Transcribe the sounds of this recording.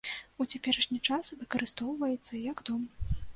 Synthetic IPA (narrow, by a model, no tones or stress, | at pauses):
ut͡sʲapʲɛɾɐʂnʲit͡ʂasvɨkɐɾɨst̪ɔwvɐjɛt̪sːɐjɐɡd̪ɔm